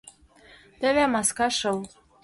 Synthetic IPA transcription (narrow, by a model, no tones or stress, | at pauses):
t̪ɘ̆βæmɑskɑʃɤ̆l